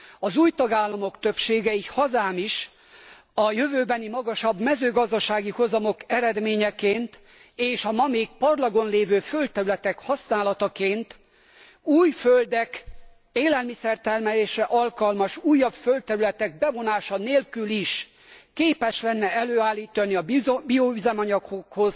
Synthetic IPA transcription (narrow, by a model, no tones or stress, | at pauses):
ɒzuːjt̪ɒɡaːlːɒmo̞kt̪ø̞pʃeːɡɛihɒzaːmiʃ | ɒjøvøːbɛnimɒɡɒʃɒbmɛzøːɡɒzd̪ɒʃaːɡiho̞zɒmo̞kɛɾɛd̪meːɲɛkeːnt̪ | eːʃɒmɒmeːɡpɒrlɒɡo̞nleːvøːfø̞lt̪t̪ːɛɾylɛt̪ɛkhɒsnaːlɒt̪ɒkeːnt̪ | uːjføld̪ɛk | eːlɛlmisɛrt̪ɛlmɛleːʃɛʔɒlkɒlmɒʃuːjːɒbfølt̪ːɛɾylɛt̪ɛɡ̚bɛvo̞naːʃɒneːlkyliʃ | keːpɛʃlɛnːɛɛløːaːlːiːt̪ɒniɒbiovizɛmɒɲɒkhokho̞z̥